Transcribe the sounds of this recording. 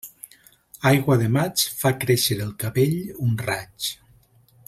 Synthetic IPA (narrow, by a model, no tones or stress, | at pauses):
ajɣwaðemat͡ʃfakɾeʃeɾəlˠkaβeʎunrat͡ʃ